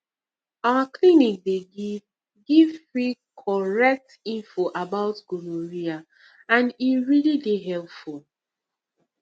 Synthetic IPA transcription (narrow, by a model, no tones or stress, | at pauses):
aaklinik̚de | ɡivɹikʰɔɹɛk̚t | ĩnfoʔabaʊtɡ̥oloɹia | ãniɹilideɦɛlpful